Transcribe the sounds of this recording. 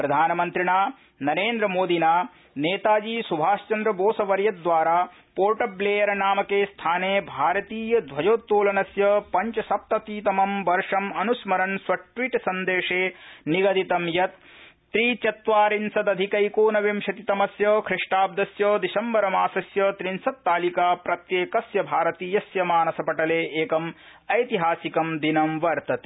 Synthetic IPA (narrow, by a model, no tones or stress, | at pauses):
pɾɐd̪ʱaːnɐmɐnt̪ɾiɳaː | nɐɾeːnd̪ɾɐmoːd̪inaː | neːt̪aːd͡ʒiːsubʱaːst͡ʃɐnd̪ɾɐboːsɐʋɐɾjɐd̪ʋaːɾaː | poːɾʈɐbleːjɐɾɐnaːmɐkeːst̪ʰaːneːbʱaːɾɐt̪iːjɐd̪ʋɐd͡ʒoːt̪ːuːlɐnɐsjɐpɐɲt͡ʃɐsɐp̚t̪ɐt̪iːt̪ɐmɐmʋɐɾʂɐmɐnusmɐɾɐnsʋɐʈʋiʈsɐnd̪eːʂeːniɡɐd̪it̪ɐmjɐt̪̚ː | ɾiːt͡ʃɐt̪ʋaːɾinsɐd̪ɐd̪ʱikɐjkoːnɐʋemʃɐt̪it̪ɐmɐsjɐkʰɾɪʂʈaːb̚d̪ɐsjɐːd̪isɐmbɐɾɐmaːsɐsjɐt̪ɾinsɐt̪ːaːlikaːpɾɐt̪jeːkɐsjɐbʱaːɾɐt̪iːjɐsjɐmaːnɐsɐpɐʈɐleːeːkɐm | ɐjt̪iɦaːsikɐmd̪inɐmʋɐɾt̪ɐt̪e̥ː